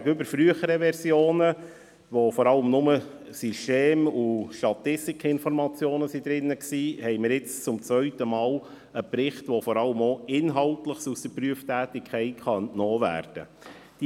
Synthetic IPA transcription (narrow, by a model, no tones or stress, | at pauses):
ɡəʏbəɾfɾyəχəɾəʋɛɾsjoːnə | ʋofɔɾɑləmnʊmə | syʃteːmuʃtɑt̪ɪstikʰɪnfɔɾmɑt͡sjoːnəsid̪ɾɪnːəksiːhɛɪməɾɪt͡st͡sʊmt͡svœɥtəmɑːl | əpɾɪχtʋofɔɾɑləmoːɪnɦɑltləχsusd̥əɾpryəftæːtɪkʰχɛɪtχɑnnɔːvæ̰ːɾd̥ə | d̥i